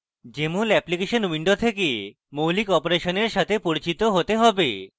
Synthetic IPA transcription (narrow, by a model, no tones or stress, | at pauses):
d͡ʑemulɛplikeʃonwiɳɖot̪ʰeke | mowlikɔpoɾeʃoneɾʃat̪ʰepoɾit͡ɕit̪oɦot̪eɦɔbe